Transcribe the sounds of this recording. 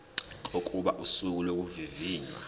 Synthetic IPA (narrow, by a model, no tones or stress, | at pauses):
kʼokʼuɓaʔusuk̬ʼulok̬ʼuviviːɲa̰